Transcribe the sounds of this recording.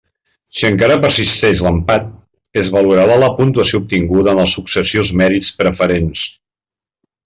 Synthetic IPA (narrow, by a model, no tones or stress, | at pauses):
siəŋkaɾəpəɾsist̪ɛʃləmpat̪̚ | əzβəluɾaβələpunt̪uəsioup̚t̪iŋɡuðəːnləsuksəsiozmɛɾit͡spɾəfəɾens